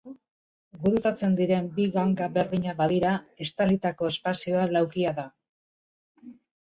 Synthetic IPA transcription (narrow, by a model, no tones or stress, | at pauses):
ɡuɾut̪at͡se̞nd̪iɾe̞mbiɣaŋkaβe̞ɾðiɲaβaðiɾae̞st̪alit̪ako̞e̞spasio̞alawkiaða